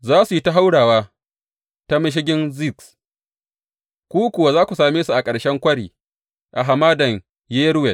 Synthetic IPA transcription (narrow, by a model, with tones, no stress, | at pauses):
zaː˦su˨ji˦ta˦ɦa˦wɽaː˨waː˦ | ta˦mɪ˦ʃ̬ɪ˦ɡʲɪ˦nzi˦˨ks | kʷuː˦kʷʊ˨wa˦zaː˦kʷu˨saː˨meː˦su˨ʔa˨kʼɐ˨ɽʃɛ˦ŋkʷɐ˦ɽḭː˨ | ʔa˨ɦa˨maː˦dɐ˨ŋ | jeː˦ɾwɛ˨l